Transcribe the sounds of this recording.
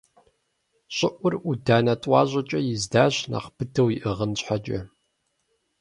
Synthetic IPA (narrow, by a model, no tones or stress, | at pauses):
ɕʼɪʔʷʊrudaːnɐtʼwɑ̰ːʑʷʼɐt͡ʃʼɐjɪzdaːʑna̰ːqpʰɨtʰɐwjiʔəʁənɕħad͡ʒʼɐ̰